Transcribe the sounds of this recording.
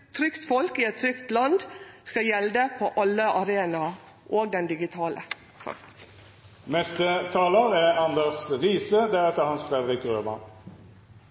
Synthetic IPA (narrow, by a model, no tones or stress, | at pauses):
t̪ʰɾʏkt̪fɔlkiːɛt̪ʰɾʏkt̪lɑnd̪skɑjɛld̪əpʰoʔɑlːəʔɑɾeːnɑ | ʔoːɡ̚d̪ɛnd̪ɪɡɪt̪ʰɑːlʔə̰ | t̪ʰɑ̰ | mɛst̪ət̪ʰɑːləʁæɑnd̪əʁsʁiːsəd̪æʁɛt̪əhɑnsfʁɛd̪ʁɪkʁøːmɑ̰